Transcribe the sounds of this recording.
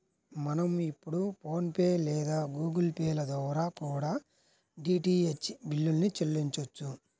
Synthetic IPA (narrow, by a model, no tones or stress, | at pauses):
mɐnɐmipːuɽupo̞ːnpeːlɛːd̪aːɡuːɡɐlpeːlɐd̪ɔːɾaːkuːɽaː | ɖiːʈiːet͡ʃbilːulɐnit͡ʃelːiɲt͡ʃɐt͡ʃːu